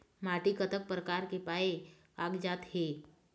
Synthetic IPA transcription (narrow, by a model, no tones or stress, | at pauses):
maːʈikət̪ək̚pɾəkaːɾkepaːe | aːɡd͡ʒaːt̪ɦeː